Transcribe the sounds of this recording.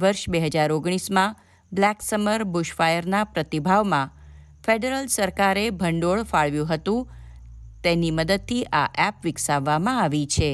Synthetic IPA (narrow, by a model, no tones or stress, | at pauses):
ʋəɾʃbeɦəd͡ʒaɾoɡɽ̃ismã | blɛksəməɾbuʃfajəɾnapɾət̪ibʱaʋmã | feɖeɾəlsəɾkaɾebʱəɳɖoɭfaɭʋjũɦət̪ũ | t̪eniməd̪əd̪̚t̪ʰiʔaʔɛpʋɪksaʋːamãaʋit͡ʃʰe